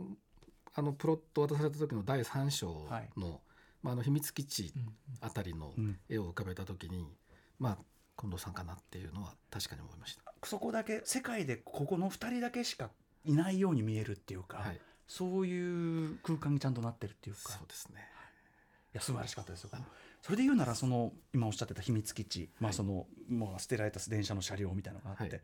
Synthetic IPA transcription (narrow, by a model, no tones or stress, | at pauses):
ano̞pɯ̟ɾo̞t̪ːo̞βat̪as̬aɾe̞t̪at̪o̞kʲino̞d̪aisãɕo̞ːaḭno̞ | maːno̞çimʲit͡sɨ̥kʲit͡ɕiat̪aɾʲino̞̰e̞o̞ɯ̟kabe̞t̪at̪o̞kʲiɲ̟i | ma | kond̪o̞ːsãŋkanat̪ːejɯ̟ːno̞βa̰t̪aɕi̥kaɲ̟io̰mo̰imaɕi̥t̪ḁso̞ko̞d̪ake̞se̞kaid̪e̞kʰo̞ko̞no̞ɸɯ̟̥t̪aɾʲid̪ake̞ɕi̥ka | inaijo̞ːɲ̟imʲie̞ɾɯ̟t̪ːe̞jɯ̟kaaiso̞ːjɯːkɯ̟ːkãɲ̟ːit͡ɕãnt̪̬o̞nat̪ːe̞ɾɯ̟t̪ːojɯ̟ːskḁoːd̪esɨ̥ne | jasɨbaɾaɕi̥kat̪ːad̪esɨjokomoso̞ɾed̪e̞jɯːnaɾaso̞no̞imao̞ɕat̪ːe̞t̪açimʲit͡sɨ̥kʲit͡ɕimaso̞no̞mosɨ̥t̪e̞ɾaɾe̞t̪asɨd̪ẽ̞ɰ̃ɕano̞ɕaɾʲo̞ːmʲit̪ainaoɡaːt̪ːe̞